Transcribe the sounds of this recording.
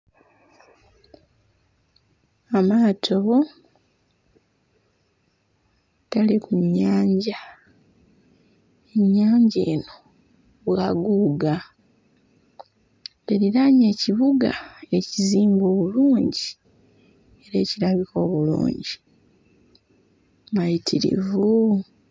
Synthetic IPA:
amaːtʰo | talikuɲːaːɲɟa | eɲːaːɲɟe̞ːno̞ | βwaɡuːɡa | eɾiɾaɲe̞ːciβuɡa̰e̞ciziːmbo̞ːβuluːɲɟi | e̞ɾe̞ːciɾaβiko̞ːβulṵːɲɟi | majitʰiɾḭvu

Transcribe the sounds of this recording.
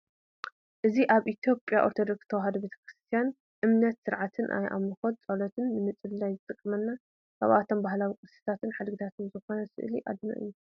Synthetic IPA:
ʔɨziʔaβʔit̪ʰjo̞pʼjaʔo̞ɾt̪ʰod̪o̞ksɨt̪ʰɐwaɦɐd̪ɐbet̪ʰɐ̥kɾɨst̪ʰijan | ʔɨmnɐt̪sɨɾʕat̪ʰɨnʔa̰jʔa̰mlɨxot̪̚t͡sʼɐlot̪ʰɨnːɨmɨt͡sʼɨld̪ajzɨt̪ʼɨkʼːɨmɐnːa | kʰaβat̪ʰombahlawikʼɨsi̥t̪ʰat̪ʰɨnħad̪ɡit̪ʰat̪ʰɨnzɨxo̞nɐsɨ̰ʔliʔa̰d̪ɨna̰ʔɨ̰jːu

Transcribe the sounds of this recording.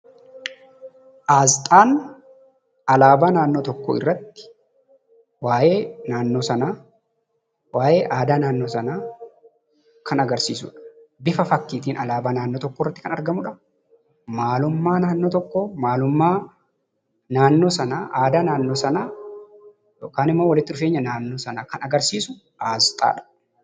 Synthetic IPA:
ʔaːzt̪ʼaːn | ɐlaːbanaːnːoːt̪ɔkːɔ̰ːɪ̰rːɐt̪ːɪ̥ | waːʔeːnaːnːoːsɐnaː | waːʔeːʔaːd̪aːnaːnːoːsɐnaː | kɐnɐɡɐɾsḭːsʊ̰ᶑɐ̥bɪfɐfɐkːiːt̪iːnʔɐlaːbaːnaːnːoːt̪ɔkːoːɪrːɐt̪ːɪ̥kɐnɐɾɡɐmʊᶑɐ | maːlʊmːaːnaːnːo̞ːt̪ɔkːoːmaːlʊmːaː | naːnːo̞ːsɐnaːʔaːd̪aːnaːnːo̞ːsɐnaː | joːkaːnɪmːoːwɐlɪt̪ːɪᶑʊfeːɲːɐnaːnːo̞ːsɐnaːkɐnɐɡɐɾsiːsʊ | ʔaːst̪ʼa̰ːᶑɐ̥

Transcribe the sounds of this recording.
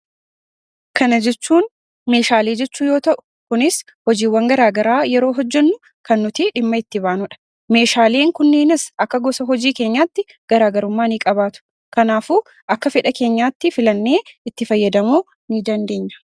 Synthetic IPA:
kɐnɐd͡ʒɛt͡ʃːuːn | me̞ːʃaːleːd͡ʒɛt͡ʃːuːjoːt̪ɐʔʊ̥ | kʊnɪs | hɔd͡ʒiːwːɐŋɡɐɾaːɡɐɾaːjɛɾo̞ːɦɔd͡ʒːɛnːʊ | kɐnːʊt̪ɪᶑɪmːɐɪt̪ːɪbaːnʊᶑɐ̥ | me̞ːʃaːleːŋkʊnːeːnɪsɐkːɐɡɔsɐɦɔd͡ʒiːke̞ːɲːaːt̪ːɪ | ɡ̥ɐɾaːɡɐɾʊmːaːniːkʼɐbaːt̪ʊ̥ | kɐnaːfuː | ʔɐkːɐfɛᶑɐke̞ːɲːaːt̪ːɪfɪlɐnːe̞ːɪt̪ːɪfɐjːɐd̪ɐmoː | niːd̪ɐnd̪e̞ːɲːɐ̥

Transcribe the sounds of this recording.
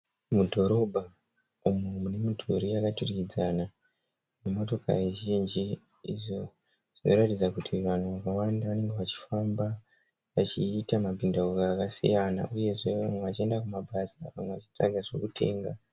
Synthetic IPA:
mudʱo̞ɾo̞bʱa | umumune̞mitʰuɾijakaturikid͡zana | nemo̞to̞ka̰ɾiʒind͡ʒi | ḭʐo̞ | ʐ̥ino̞ɾatid͡zakutʰiʋan̤uʋakawandaʋane̞ŋɡe̞ʋat͡ʃi̥famba | ʋat͡ʃiːtamabindaukaːkasḭjana̰ʔuje̞ʐe̞ʋamweʋat͡ʃiendakumaɓasaʋamwe̞ʋat͡ʃi̥t͡sa̰ɡʱaʐo̞kutʰe̞̰ːŋɡa

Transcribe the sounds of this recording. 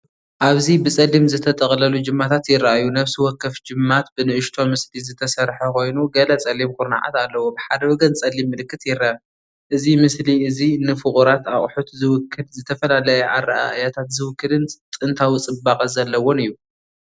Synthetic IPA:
ʔaβzibɨt͡sʼɐlːimzɨt̪ʰɐt̪ʼɐχʼlɐlud͡ʒɨmːat̪ʰat̪jɪrːaʔajunɐβsiwɔkːɐfd͡ʒɨmːat̪bɨnɨʔɨʃt̪ʰo̞mɨslizɨt̪ʰɐsɐɾħɐkʰo̞jnuɡɐlɐt͡sʼɐlːimkʰuɾna̰ʕa̰t̪alːɐwobɨħad̪ɐwɔɡɐnt͡sʼɐlːimːɨlɨkːɨt̪jɪrːaʔaju | ʔɨzimɨsliɨzinɨfɨχʼuɾat̪aχʼħut̪zɨwʊkʰːɨlzɨt̪ʰɐfɐlalɐjɐʔarːaʔa̰ʔjat̪ʰat̪zɨwʊkːɨlɨnt͡s̪ʼɨnt̪ʰawit͡sʼɨbakʼɐzɐlːɐwo̞nɨjːu

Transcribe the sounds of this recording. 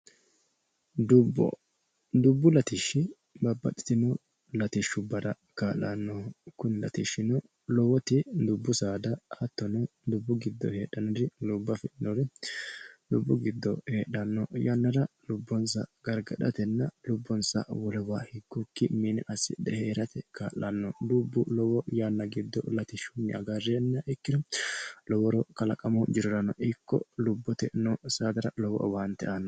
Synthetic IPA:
d̪ʊbːɔ̰ | d̪ʊbːʊlɐt̪ɪʃːɪ | bɐbːɐ̰t̪ʼːɪ̥t̪ɪnɔ | lɐt̪ɪʃːʊbɐɾɐ | kaːla̰nːɔkʊnlɐ̰t̪iʃːɪnɔ | lɔwɔt̪ɪd̪ʊbːʊsaːd̪ɐɐt̪ːɔnɛd̪ʊbːʊɡɪd̪ːɔ̰heːɗɐnɔd̪ɪlʊbːɐfɛnɔɾɛ | lʊbːʊɡɪd̪ːɔ̰heːᶑɐnːɔjɐnːɐɾɐlʊbːɔnsɐ̰ɡɐɾɡɐᶑɐt̪ɛnːɐlʊbːɔnsɐ̰wɔlɛwaːhɪɡːɔkːɪmiːnɛʔɐsːɪ̰d̪ɛheːɾɐt̪ɛkaːlːɐnːɔlubːʊlɔwɔjaːnːɐɡɪd̪ːɔlɐt̪ɪʃunːɪɐɡarːɛnːɐʔɪkːɪd̪ɔlɔwɔɾɔkɐlɐkʼɐmɐd͡ʒɪɾɔɾɐnːɔʔɪkːɔ̰lʊbːɔt̪ɛnɔsaːd̪ɐɾɐlɔwɔ̰ʔwaːnt̪ːɛ̰ʔɐnːɔ

